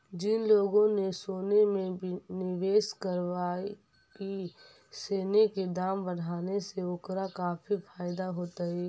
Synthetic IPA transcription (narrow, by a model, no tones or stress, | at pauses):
d͡ʒɪnloːɡõnesoːnemẽnɪʋeːskəɾʋaːe | ki | seːneked̪aːmbəɽ̤aːneseʊkɾakaːpʰifʰaːɪd̪aɦoːt̪aɛː